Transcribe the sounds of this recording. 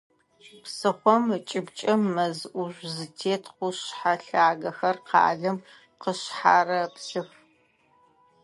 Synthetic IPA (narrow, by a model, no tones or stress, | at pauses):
psɨχʷɔmt͡ʃʼɪbt͡ʃʼɐmːɐzʔʷuʒʷzɨtʰeːtʰqʷʊɕħaɬaːɡɐxɐrqɑ̰ːɮɨm | qəɕħaːrɐpsɨx